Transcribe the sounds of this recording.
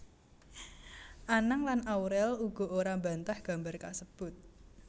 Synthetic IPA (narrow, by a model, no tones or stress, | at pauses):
ʔanəŋlanawɾɛluɡ̥ɔ̤oɾamba̤nt̪ahɡ̥a̤mbarkasəb̥ʊt̪̚